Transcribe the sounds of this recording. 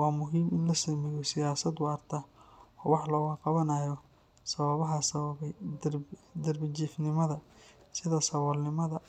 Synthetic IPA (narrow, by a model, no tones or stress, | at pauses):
waːmʊɦiːmɪnlɐsɐmɛjɔsɪjaːsɐd̪ʊɐrt̪ʰɐɔːwɑħlɔːwɑːqɑβɐnɐjɔ | sɐβɐβɐɦɐsɐβɐɛj | d̪ɐrbɪt͡ʃiːfnɪmɐðɐsɪðɐsɐwɔlnɪmɐðɐ